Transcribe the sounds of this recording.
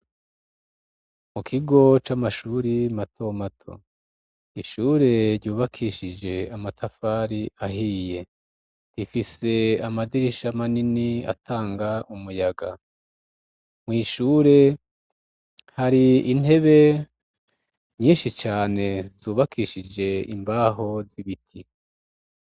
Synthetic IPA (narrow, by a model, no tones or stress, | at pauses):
mukʰiɡo̞t͡ʃamaʃuːɾimatʰo̞matʰo̞̰ | iʃuːɾe̞ɾɟuːβakʰiʃid͡ʒe̞amatʰafaɾiaɦiːje̞ | difise̞amadiɾiʃamaninia̰tʰaːŋɡaʔumujaɡa | mŋiːʃuːɾe̞ | haɾiin̥he̞βe̞ | ɲiːnʃit͡ʃaːne̞zuːβakʰiʃid͡ʒe̞ḭmbaːɦo̞ziβitʰi